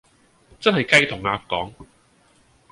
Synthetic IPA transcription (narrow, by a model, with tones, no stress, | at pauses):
t͡sɐ˥nhɐ˨˩jkɐ˥jt̪ʰʊ˨˩ŋaː˧kkːɔː˨˥ŋ